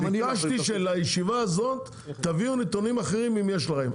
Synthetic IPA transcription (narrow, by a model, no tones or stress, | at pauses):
kaʃt̪iʃelajeʃivaːzo̞t̪ː | aviunet̪onimaχeʁimimjeʃlaχem